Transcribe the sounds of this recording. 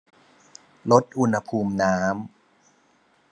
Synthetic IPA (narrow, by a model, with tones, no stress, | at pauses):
lo˦˥t̪̚ʔu˧nha˧pʰuː˧mnaː˦˥m